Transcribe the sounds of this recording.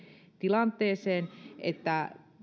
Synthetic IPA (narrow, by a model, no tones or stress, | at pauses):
t̪ilɑnt̪ˑeːseːnʔḛt̪ːæ